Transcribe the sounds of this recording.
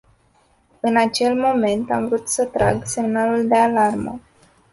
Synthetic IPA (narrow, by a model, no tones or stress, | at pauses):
ɨnat͡ʃe̞lmo̞me̞nt̪amvɾut̪sət̪ɾa̰ɡse̞mnaluld̪e̞alarmə̰